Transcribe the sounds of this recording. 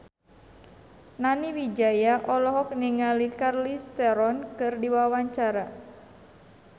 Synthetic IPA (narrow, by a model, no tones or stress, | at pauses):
naniwid͡ʒajaʔɔlɔɦɔk̚niŋalikarlist̪ɛɾɔnkɨrdiwawaɲt͡ʃaɾa